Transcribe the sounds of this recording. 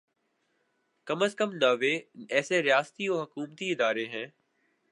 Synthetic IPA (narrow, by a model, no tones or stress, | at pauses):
kəməskəmnaːʋeɛːseɾɪjaːst̪ioːɦʊkuːmt̪iɪd̪aːɾeɦɛ̃ː